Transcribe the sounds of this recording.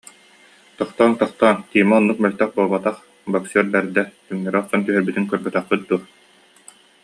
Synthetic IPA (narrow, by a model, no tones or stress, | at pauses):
t̪ɔχt̪aːnt̪ɔχt̪aːnt̪iːmɛɔnːuk̚mɛlʲt̪œχbuːlˠbat̪aχ | bɔksɛɾbɛɾd̪ɛt̪ynːɛɾɛɔsːɔnt̪yɦœɾbyt̪yŋkœɾbœt̪œχpyt̪̚d̪uːɾ